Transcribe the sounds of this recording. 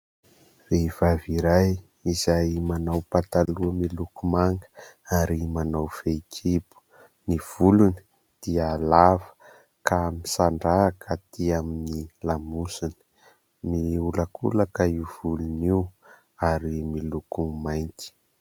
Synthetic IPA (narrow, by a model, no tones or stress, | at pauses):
reivaviɾaj | izajmanawpat̪aluəmilukumaŋɡə | aɾimanawfekʰipu̥ | niv̥uluni̥ | d̪̥ialavə̥ | kʰamisaɳɖ͡ʐaːkʰət̪iaminilamusini̥ | miuləkʰṵləkaiv̥uluniw | aɾimilukumajnt̪i̥